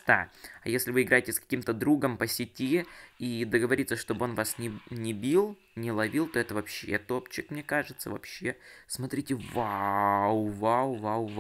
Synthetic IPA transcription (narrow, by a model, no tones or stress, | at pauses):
t̪aɐ̰jesʲlʲɪvɨɪɡɾajɪtʲɪskɐ̥kʲimt̪əd̪ɾuɡəmpəsʲɪtʲiid̪əɡəvɐɾʲit̪səʂt̪o̞bɨo̞nvasnʲɪnʲɪbʲilˠ | nʲɪlˠɐvʲilˠt̪o̞ɛt̪əvɐpɕːet̪o̞pt͡ɕːɪkmnʲekaʐɨt̪sə̰vɐ̰pɕːe̞smɐt̪ɾʲitʲɪvawvawvaw